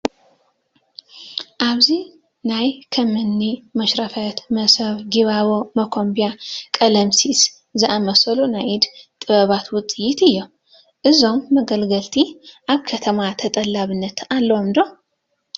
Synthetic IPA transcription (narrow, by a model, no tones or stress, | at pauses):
ʔaβzi | najkʰɐmɨnːimɐʃɾɐfɐt̪mɐsɐβɡiβaβomɐkʰo̞mbijakʼɐlɐmsis | zɨʔamɐsɐlunajid̪t̪ʼɨβɐβat̪wʊt͡sʼːɨjːit̪ɨjːo | ʔɨzo̞mːɐɡəlɡɐlt̪ʰiʔaβkʰɐt̪ʰɐmat̪ʰɐt̪ʼɐlːaβɨnːɐt̪alːɐwomd̪o